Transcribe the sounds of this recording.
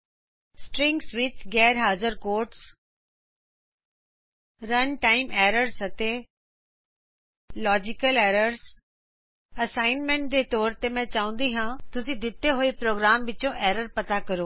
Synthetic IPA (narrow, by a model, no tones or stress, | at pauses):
sʈɾɪ̃ŋɡsʋɪt͡ʃɡɛːɾɦaːzəɾkoːɾʈs | ɾɐnʈaːɪmɛːɾəɾsɐt̪e | lɔːd͡ʒɪkəlɛːɾəɾs | ɐsaːɪnmɛ̃ɳʈ̚d̪eːt̪ɔːɾt̪emɛ̃t͡ʃaːũːn̆d̪iɦãːt̪ʊsĩd̪ɪt̪ːeɦoːipɾoːɡɾaːmʋɪt͡ʃõʔɛːɾəɾpɐt̪akɐɾoː